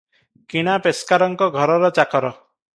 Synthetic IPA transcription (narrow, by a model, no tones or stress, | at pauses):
kiɽ̃apeskaɾɔŋkɔɡʱɔɾɔɾɔt͡ʃakɔɾɔ